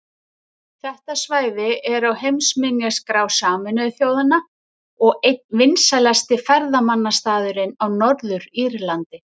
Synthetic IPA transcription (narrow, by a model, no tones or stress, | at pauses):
θɛht̪asvaːjðɪɛɾawhejmsmɪnjaskɾaːwsaːmʏnœðθjowðanːa | ɔɣejt̪̚nvɪnsalɛst̪ɪfaɾðamanːast̪aːðʏɾɪnawnɔɾðʏɾiɾlant̪ɪ